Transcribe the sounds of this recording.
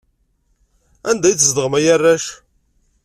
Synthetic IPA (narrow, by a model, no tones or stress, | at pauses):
ænd̪æjθzd̪əʁəmæjərːæʃ